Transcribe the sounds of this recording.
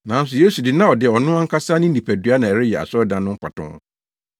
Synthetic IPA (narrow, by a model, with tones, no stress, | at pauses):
nã˨n̩˦s̬ʊ˨je˦su˨dɪ˨nã˦ɔ˨dɪ˨ɔ˨nʊ̃˦a˦ŋ̩˦kʰa˦saː˦nɪ̃˦nĩ˨pʰæ˨dɥa˦nã˨ɛ˨ɾɪ˦jɛ˨a̰˨sɔ˦dã˨nːʊ̃˦m̩˦pʰa̰˨tʰʊ̰̃˦ŋ